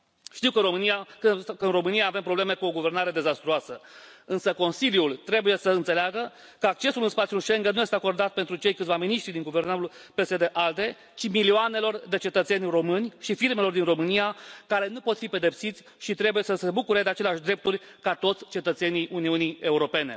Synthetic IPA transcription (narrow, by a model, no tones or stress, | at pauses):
ʃt̪iwkəɾomɨnijakəɨnro̞mɨnijaːve̞mpɾo̞ble̞me̞kuo̞ɡuve̞rnaɾe̞d̪e̞zast̪ɾuasəɨnsəko̞nsiljult̪ɾe̞buje̞səɨnt̪se̞leaɡə | kəak̚t͡ʃe̞sulɨnspat̪siulʃe̞ŋɡənuje̞st̪eako̞rd̪at̪̚pe̞nt̪ɾut͡ʃe̞jkɨt̪vaminiʃt̪ɾid̪iŋɡuve̞rnaɾulpe̞sed̪e̞ʔald̪e̞ | t͡ʃimilioane̞lo̞rd̪e̞t͡ʃe̞t̪ət̪se̞nʲro̞mɨnʲʃifirme̞lo̞rd̪inro̞mɨnijakaɾe̞nupo̞t̪fipe̞d̪e̞psit̪sʲ | ʃit̪ɾe̞buje̞səse̞bukuɾe̞d̪eat͡ʃe̞leaʃd̪ɾe̞p̚t̪urʲ | kat̪o̞t̪sʲt͡ʃe̞t̪ət̪se̞niʔuniunie̞uɾo̞pe̞ne̞̰